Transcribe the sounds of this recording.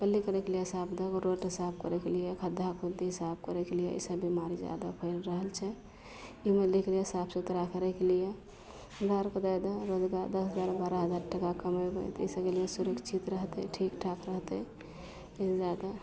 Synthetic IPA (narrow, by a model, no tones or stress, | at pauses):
pəlːikəɾɛkelijesabd̪əkɾoʈɦisab̚kəɾɛkelijekʰəd̪ʱakʰud̪iɦisab̚kəɾɛkelijeḭsəbimaɾid͡ʒja̰d̪apʰəɪlɾəɦəlt͡ʃʰɛ | imelikʰlijesabseut̪ɾakəɾɛkelije | ɾaɾkəd̪ad̪aɾod͡ʒɡad̪əsɦəd͡ʒaɾbaɾaɦəd͡ʒaɾʈəkakəmabə̰t̪ḭsəbkelijesuɾəkt͡ʃʰit̪ɾəɦt̪ɛʈʰikʈʰakɾəɦt̪ɛ | d͡ʒad̪a